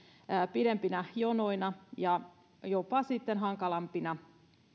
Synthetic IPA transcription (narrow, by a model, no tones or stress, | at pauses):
piɾempinɑjonoinɑjɑ | jopɑsit̪ːenɦɑŋkɑlɑmpinɑ